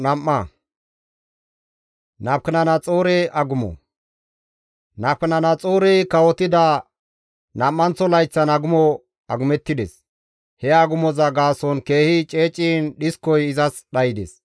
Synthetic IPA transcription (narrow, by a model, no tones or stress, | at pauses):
nɐmːɐ | nɐp̚kɪnɐnɐt͡sʼoːɾɛjʔɐɡʊmɔ̰ | nɐp̚kɐnɐnɐt͡sʼoːɾɛjkɐwɔt̪ɪd̪ɐ | nɐmːɐnt͡sɔlɐjt͡sːɐnɐɡʊmɔ | ɐɡʊmɛt̪ːɪd̪ɛs | hɛɐɡʊmɔzɐɡaːsɔnke̞ːhɪt͡ʃʼe̞ːt͡ʃʼːinɗɪskːɔjɪzɐsɗɐjɪd̪ɛ̰s